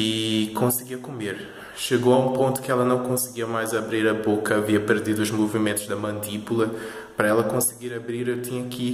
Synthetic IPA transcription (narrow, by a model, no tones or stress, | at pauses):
ikõsɨɡiɐkumeɾ | ʃɨɣoɐũpõnt̪u̥kɛlˠɐnɐ̃w̃kõsɨɡiɐmajzɐβɾiɾɐβokɐɐviɐpɨɾd̪iðuuʒmuvimẽnt̪uʒd̪ɐmɐ̃nt̪ipulˠɐ | pɾɐɛlˠɐkõsɨɡiɾɐβɾiɾewt̪iɲɐki